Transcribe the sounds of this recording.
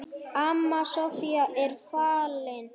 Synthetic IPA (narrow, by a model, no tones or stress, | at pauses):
amːasɔfiaʔelfalːen